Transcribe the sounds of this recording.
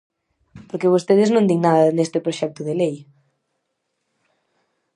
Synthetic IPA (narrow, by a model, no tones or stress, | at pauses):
poɾkeβ̞ost̪eð̞ɪznõnd̪iŋnaðɐnest̪ɪpɾoʃɛk̚t̪ʊðelej